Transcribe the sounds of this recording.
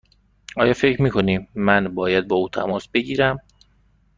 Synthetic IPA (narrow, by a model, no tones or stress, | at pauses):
ʔɒːjɒːfecʰɾmiːkʰo̞niːmːænbɒːjæd̪̚bɒːuːt̪ʰæ̰mɒːsbeɟiːɾæm